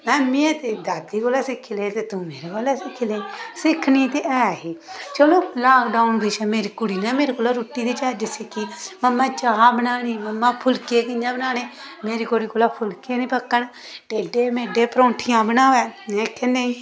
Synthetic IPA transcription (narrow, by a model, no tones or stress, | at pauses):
mɛ̃ːmiet̪ed̪aːd̪ikoːlaːsɪkʰːileːt̪et̪ũmeːɾeɡoːlasɪkʰːleːsɪkʰnĩt̪eʔɛːɦiːt͡ʃəloːlaːkɖaːʊnbɪʃaːmeːɾikʊɽiːnaːmeːɾekoːlaɾuːʈːit̪et͡ʃaːd͡ʒɪsekʰːiːməmːãːt͡ʃaːɦabənaːniːməmːapʰʊlkekɪɲd͡ʒãːbənaːneː | meːɾiːkoːɽiːkoːlaːpʰʊlkeːnĩːpəkːən | ʈeːɖeːmeːɖeːpɾõːʈʰijãːbənaːʋɛːnẽkʰːẽnd̪eː